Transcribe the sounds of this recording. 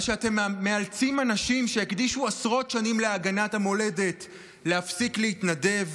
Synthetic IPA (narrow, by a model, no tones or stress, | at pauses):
ʃeate̞mːe̞alt͡simanaʃimʃe̞ekd̪iʃuasʁo̞tʃanimleaɡanathamo̞le̞de̞t | le̞afsiklehitnade̞v